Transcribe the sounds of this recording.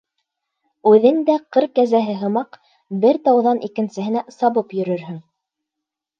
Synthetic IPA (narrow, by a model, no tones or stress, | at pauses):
ʉðɘnd̪æqɤɾkːæzæɦɘɦɤ̆mɑq | bɘɾt̪ɑwðɑnʔikɘ̆nsɘ̆ɦɘ̆næsɑβɤpjɵ̆ɾɵɾɦɵŋ